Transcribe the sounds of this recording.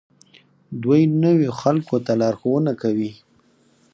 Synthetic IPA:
d̪wajnəwoxalkot̪alɑɾxowənakawi

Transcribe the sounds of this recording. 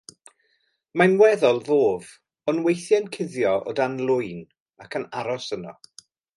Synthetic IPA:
manwɛðɔlˠvoːv | ɔnwejθjɛnkʰɪðjɔʔɔ̰danlˠʊjn | akʰənaɾɔsənɔ̰

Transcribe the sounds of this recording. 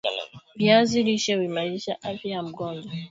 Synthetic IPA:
viaziliʃɛwimaɾiʃaʔafjajam̩ɡɔndɔ

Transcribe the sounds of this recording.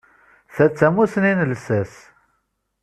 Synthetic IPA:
θæt͡sːæmusninəlsæs

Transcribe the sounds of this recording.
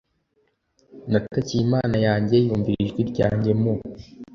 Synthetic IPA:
natacijimaːnajaːɲɟe̞juːɱviɾiʒɡiɾɟa̰ːɲɟe̞mo

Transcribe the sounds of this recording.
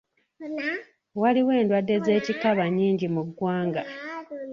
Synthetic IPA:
waliwe̞ːndwadːe̞ze̞ːcikaβaɲiːɲɟimuɡːwaːŋɡa

